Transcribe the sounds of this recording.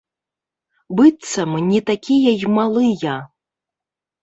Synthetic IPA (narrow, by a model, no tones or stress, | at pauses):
bɨt̪sɐmnʲɛt̪akʲijɐjmalˠɨjɐ